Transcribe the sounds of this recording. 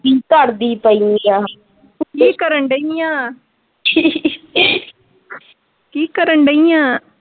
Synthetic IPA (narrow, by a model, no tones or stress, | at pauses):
kikaɾd̪ipɐjja | kikɐɾɐɳɖɐaː | kiːkɐɾɐɳɖɐjaː